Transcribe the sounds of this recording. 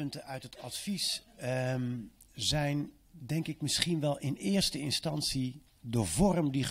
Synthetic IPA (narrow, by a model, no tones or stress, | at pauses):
ɵntəœɥtɦətɑtfis | zɛjn | dɛŋkɪkmɪsχinʋɛlˠɪnɪːɹstəɪnstɑnsi | dəvɔrəmdi